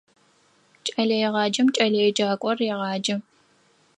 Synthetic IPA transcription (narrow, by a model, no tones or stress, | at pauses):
t͡ʃʼɐɮɐjɛʁɑːd͡ʒɐmt͡ʃʼɐɮɐjɛd͡ʒaːkʷʼɔrjɛʁɑːd͡ʒɐ